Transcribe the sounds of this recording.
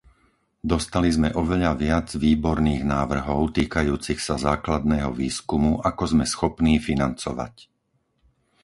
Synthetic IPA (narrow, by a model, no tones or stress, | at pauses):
d̪ɔst̪alizmɛʔɔʋɛʎaʋɪad͡zʋiːbɔɾniːɣnaːʋr̩ɦɔʊt̪iːkajuːt͡sixsazaːklad̪̚nɛːɦɔ̰ʋiːskumuʔakɔzmɛsxɔpniːfinant͡sɔ̰ʋa̰c